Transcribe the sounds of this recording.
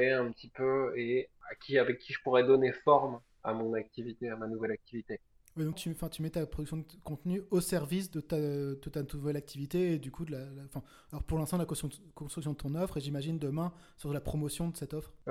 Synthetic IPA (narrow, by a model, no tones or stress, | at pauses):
eɛ̃pət̪ʰipøeakʲiavɛkʲːiʒə̥puʁɛd̪ɔnefɔʁm | a̰mɔ̃nak̚t̪ivit̪eamanuvɛlak̚t̪ivit̪e | wid̪ɔ̃k̚t̪yɑ̃fɛ̃t̪ymɛt̪apχɔd̪yksjɔ̃d̪kɔ̃t̪nyosɛʁvisd̪ət̪ad̪ət̪anuvɛlak̚t̪ivit̪eːd̪ykʰud̪əlal̃fɛ̃ | alɔʁpuʁlɛ̃st̪ɑ̃d̪lak | kɔ̃st̪χyksjɔ̃d̪ət̪ɔ̃nɔfχeʒimaʒind̪əmɛ̃ | syʁt̪əlapχɔmɔsjɔ̃d̪əsɛt̪ɔfχ